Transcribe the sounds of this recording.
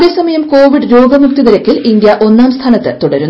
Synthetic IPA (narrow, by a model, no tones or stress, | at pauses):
ʋesɐmɐjɐmkoːʋiɖɨɾo̞ːɡɐmuk̚t̪iðɐɾɐkʲːilind̪jɐʔo̞nːaːmst̪ʰaːnɐt̪ːɨt̪uɽɐɾun